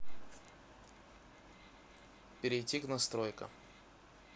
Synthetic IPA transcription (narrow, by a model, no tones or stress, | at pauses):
pʲɪɾʲɪjtʲiknɐst̪ɾojkə̰